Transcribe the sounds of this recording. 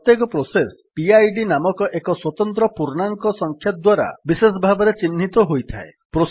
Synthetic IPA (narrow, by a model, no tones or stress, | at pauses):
t̪jekɔpɾosespiajɖinamɔkɔʔekɔswɔt̪ɔnt̪ɾɔpuɾnaŋkɔsɔŋkʰjɔt̪̚d̪waɾa̰bisesɔbʱabɔɾet͡ʃin̤ːit̪ɔɦojt̪ʰa̰epɾo